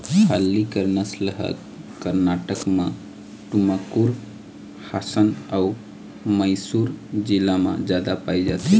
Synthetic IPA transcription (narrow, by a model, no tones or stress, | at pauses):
kʰalːikəɾnəsləɦə̰t̪ | kəɾnaʈəkmã | ʈuməkuɾ | hasənau | məjsuɾd͡ʒilamã̰d͡ʒad̪apaid͡ʒat̪i